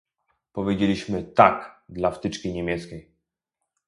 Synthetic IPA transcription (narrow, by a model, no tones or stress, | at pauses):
pɔvʲjed͡ʑelʲiɕmɘt̪akd̪laft̪ɘt͡ʂkʲiɲemʲjɛt̪skʲej